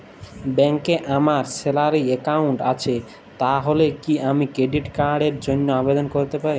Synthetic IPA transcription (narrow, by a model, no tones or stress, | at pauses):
bɛŋkeʔamaɾselaɾiekawɳʈat͡ɕʰe | t̪aɦolekiamikɾeɖiʈkaɾɖeɾd͡ʑonːoabed̪onkoɾt̪epaɾi